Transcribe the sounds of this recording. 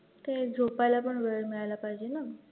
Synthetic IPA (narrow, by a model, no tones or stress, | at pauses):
t̪ed͡zʱopalapəɳʋeɭɭmiɭajlapajd͡ʑena